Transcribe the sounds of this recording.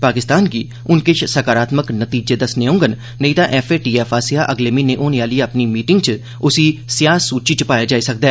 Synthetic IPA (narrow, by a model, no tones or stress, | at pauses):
paːkɪst̪aːnkiː | ʊnkɪt͡ʃʰsəkaːɾaːt̪məknət̪iːd͡ʒeːd̪əsneːʊ̃ŋɡənː | əĩːt̪ãːʔɛːfeːʈiːɛːfʰaːsɪaːʔəɡleːmiːnẽːʔoːneaːliːapniːmiːʈɪŋɡ̚t͡ʃə | ʊsiːsɪjaːsuːt͡ʃiːt͡ʃəpaːjaːd͡ʒaːiːsək̚d̪ɛː